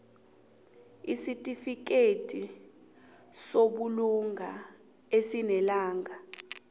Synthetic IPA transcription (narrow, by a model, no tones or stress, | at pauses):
isitʼifik̬etʼi | soɓuluŋa | esinɛlaːŋa